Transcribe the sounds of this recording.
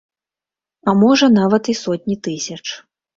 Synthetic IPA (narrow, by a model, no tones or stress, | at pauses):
ɐmɔʐɐnavɐt̪isɔt̪̚ʲnʲit̪ɨsʲɐt͡ʂ